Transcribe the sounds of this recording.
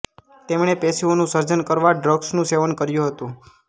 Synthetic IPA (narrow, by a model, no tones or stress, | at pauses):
t̪emɳepesionũsəɾd͡ʒənkəɾʋaɖɾəɡsnũseʋənkəɾjũɦət̪ũ